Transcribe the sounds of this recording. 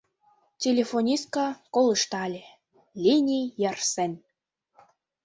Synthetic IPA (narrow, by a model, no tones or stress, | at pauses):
tʲelʲefonʲist̪̚kɑkoləʃt̪ɑlʲĕ | lʲinʲijɑrsen